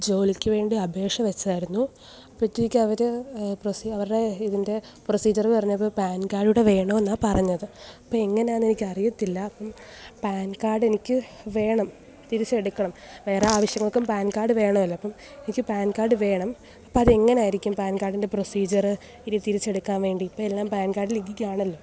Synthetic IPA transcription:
d͡ʑo̞ːlikʲːɨʋe̞ːɳɖiɐbʱe̞ːʂɐmʋet͡ɕːɐaːjiɾunːu | pɐtːinikʲːɨɐʋɐɾɨprosiɐʋɐɾuɽe̞iðinde̞ | prosiːd͡ʑɐrpɐrɐɲːuɐpːoːpaːnkaːɖuɽe̞ʋe̞ːɳoːenːaːpɐrɐɲːɐðɨɐpːoːe̞ŋːɐneaːnenikʲːɨɐrijɐt̪ːilːɐːpːɐm | paːnkaːrɖe̞nikʲːɨ | ʋe̞ːɳɐm | t̪iɾit͡ɕːe̞ɽukːɐɳɐmʋe̞ːreaːʋɐɕjɐŋːɐɭkːumpaːnkaːrɖɨʋe̞ːɳɐmɐlːɐɐpːɐm | e̞nikʲːɨpaːnkaːrɖɨʋe̞ːɳɐm | ɐpːɐɐðe̞ŋːɐneaːjiɾikʲːumpaːnkaːrɖinde̞pro̞siːd͡ʑɐrɨ | iɾit̪iɾit͡ɕːe̞ɽukːaːnʋe̞ːɳɖiːpːoːelːaːmpaːnkaːrɖiliɡːikʲːaːɳɐlːo̞ː

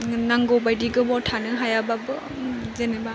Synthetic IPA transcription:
naŋɡɔbajdiɡɯbɔtʰanɯɦajababɯ | zeneba

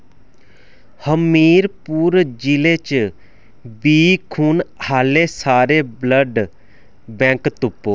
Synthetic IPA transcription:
həmːiːɾpuːɾd͡ʒileːt͡ʃ | biːkʰuːnhaːleːsaːɾeːbləɖ | bɛ̃ːkt̪ʊpːoː

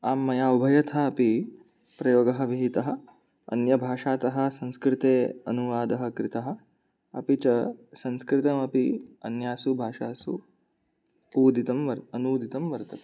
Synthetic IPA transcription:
aːmːɐjaːubʱɐjɐt̪ʰaɐpi | pɾɐjoːɡɐɦɐ̆ʋiɦit̪ɐɦɐ̆ | ɐ̰njɐbʱaːʃaːt̪ɐɦɐ̆sɐnskɾɪt̪eːɐ̰nuʋaːd̪ɐɦɐ̆kɾɪt̪ɐɦɐ̆ | ɐ̰pit͡ʃɐsɐnskɾɪt̪ɐmɐpiɐnjaːsubʱaːʃaːsu | uːd̪ʱit̪ɐmʋɐɾɐnuːd̪ʱit̪ɐmʋɐɾt̪ɐt̪

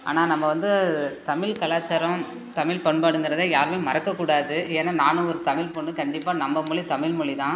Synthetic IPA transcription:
a̰ːnaːnɐmːɐʋɐnd̪ɯt̪ɐmɪlkɐlaːt͡ʃːɐɾɐ̃m | t̪ɐmɪlpɐɳpaːɽɯŋɡɪɾɐðaːjaːɾmeːmɐɾɐkːɐkːuːɽaːðɯeːnːaːnaːnɯɔɾɯt̪ɐmɪlpɔɳːɯkɐɳɖɪpːaːnɐmːɐmʊɭɪt̪ɐmɪɭmʊɭit̪ãː

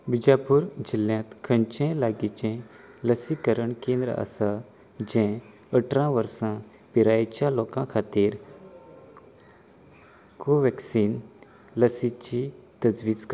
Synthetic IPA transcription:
bid͡ʑapuːɾd͡ʑiljãt̪kʰəɲt͡ɕẽlaɡit͡ɕɛ̃ | ləsikəɾəɳkẽnd̪ɾə̰a̰sa | d͡ʑɛ̃ | əʈʰɾãʋəɾsã | piɾat͡ɕjalokãkʰat̪iːɾ | koʋɛksiːn | ləsit͡ɕit̪əd͡zʋiːd͡zk

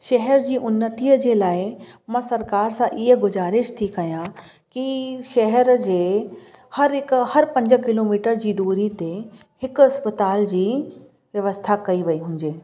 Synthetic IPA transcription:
ʃɐɦɛɾd͡ʑiːʔʊnːət̪iːəd͡ʑeːlaːɪmãsɐɾkaːɾsãʔiɦə̆ɡʊzaːɾɪʃt̪ʰikɐjã | kiʃɐɦɛɾd͡ʑeː | hɐɾɪkhɐɾpɐ̃ɲd͡ʑəkɪloːmiːʈəɾd͡ʑiːd̪uːɾit̪e | hɪkʊɐspət̪aːld͡ʑiː | ʋjɐʋəst̪ʰakɐiʋɐiɦũːɲd͡ʑeː

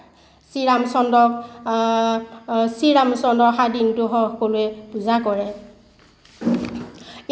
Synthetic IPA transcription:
siɹamsɔndɔk | siɹamsɔndɔxadintʊɦɔɔkolʊɛb̥uzakɔɹɛ

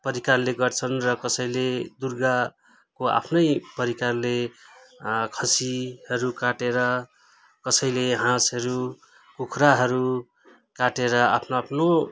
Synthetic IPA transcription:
pʌɾikarleɡʌrt͡sʰʌnrʌkʌsʌjled̪urɡa | koa̰pʰnʌjpʌɾikarle | kʰʌsihʌɾukaʈeɾʌ | kʌsʌjleɦãsʌɾu | kukʰɾaɦʌɾu | kaʈeɾʌapʰnoːpʰno

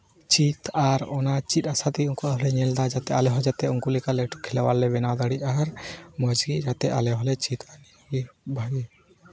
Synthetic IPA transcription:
t͡ʃit̪ʰaɾɔnat͡ʃit̪̚ˀasat̪iuŋkuaɦɔlɛɲɛld̪ad͡ʒat̪ɛalɛɦɔd͡ʒat̪ɛuŋkulikalɛʈɔkʰːilɛwalːɛbɛnad̪aɽiʔaɾmɔd͡ʒɡid͡ʒat̪ɛa̰lɛɦɔlɛt͡ʃit̪ʰaniɡibʱaɡi

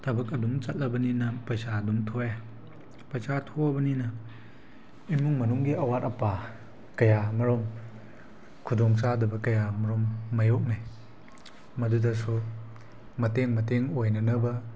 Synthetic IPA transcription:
tʰɐbɐk̬̚ɐdumt͡ʃɐt̚lɐbɐninɐpɾɐsadumtʰoe | pɾɐt͡ʃaɾtʰɔbɐninɐ | imuŋmɐnuŋɡiʔɐwat̚ɐpa | kɐjamɐɾɔm | kʰudɔŋsadɐbɐkɐjamɐɾɔmːɐjok̚naj | mɐdudɐsu | mɐteŋmɐteŋojnɐnɐbɐ

